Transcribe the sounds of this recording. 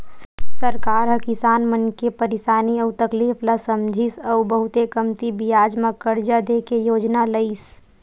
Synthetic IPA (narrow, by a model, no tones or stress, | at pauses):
ssɐɾkaːɾɦɐkɪsaːnmənkepəɾɪsaːniɐʊt̪ɐkliːflasɐmd͡ʒʱisəʊbɐɦʊt̪ekəmt̪ibijaːd͡ʒmakəɾd͡ʒad̪eːkejoːd͡ʒnaləis